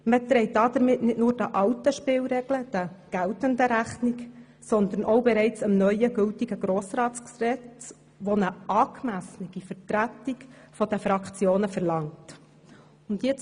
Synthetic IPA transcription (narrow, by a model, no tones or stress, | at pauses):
mət̪ɾɛɪt̚dɑːd̪əɾmɪtnɪdnʊːɾd̥əʔɑwtəʃpɪːlɾɛɡ̥ləd̥əɡ̥æltəndəɾæχnik | sɔnd̪əɾnʔɔwbɛɾɛɪt͡səmnœʏəɡɵltiɡəɡɾoːsɾɑːtt͡sksɛt͡st͡s | ʋonəʔɑːkmæsnɪɡ̥ifəɾtɾætikfɔd̥̪əfɾɑkt͡sjoːnəfɛɾlɑŋt | ʊntjɪt͡s